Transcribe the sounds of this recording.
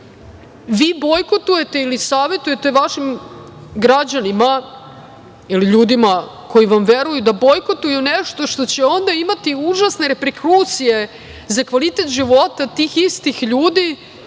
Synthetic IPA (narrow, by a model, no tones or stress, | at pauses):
ʋiːbo̞jkot̪uje̞t̪e̞ilisaːʋet̪uje̞t̪e̞ʋaʃim | ɡɾad͡ʑanima | iliʎuːd̪ima | ko̞jiʋamʋeɾujud̪abo̞jkot̪ujuneʂt̪o̞ʂt̪o̞t͡ɕeo̞nd̪aimat̪iuʒasne̞ɾe̞pɾekɾuːt̪sije̞ | zakʋalit̪et̪ʒiʋo̞t̪at̪iːxist̪ixʎuːd̪i